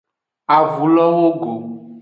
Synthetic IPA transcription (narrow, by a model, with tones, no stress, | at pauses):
a˨vu˨˦lɔ˦wo˦ɡo˨